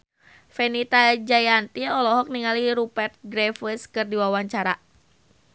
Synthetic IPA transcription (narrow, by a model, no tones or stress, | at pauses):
fɛnit̪ad͡ʒajant̪iɔlɔɦɔk̚niŋaliɾupɛrt̪̚ɡɾɛfəskɨrdiwawaɲt͡ʃaɾa